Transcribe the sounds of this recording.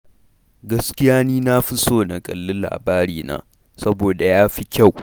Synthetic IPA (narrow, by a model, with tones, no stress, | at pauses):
ɡɐ˦skʲɪ˦jaː˦niː˦naː˦ɸɪ˦soː˦˨nɐ˨kʼɐ̰˨lːɪ˦nla̰ː˨baː˦ɾiː˨na̰ː˦ | sɐ˦boː˨da˨jaː˦ɸi˦kʲa˦˨w